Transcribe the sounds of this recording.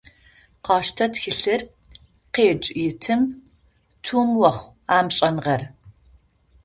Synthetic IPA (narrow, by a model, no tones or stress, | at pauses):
qɑːʃtʰɐtxɨɬɨr | qeːt͡ʃʼjɪtʰɨm | tʰuːmwɐχʷ | aːmɕʼɐnʁɐr